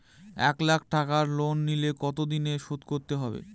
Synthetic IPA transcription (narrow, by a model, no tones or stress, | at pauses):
ɛ̰klak̚ʰʈakaɾlonːilekɔt̪̬od̪ineʃot̪koɾt̪eɦɔbḛ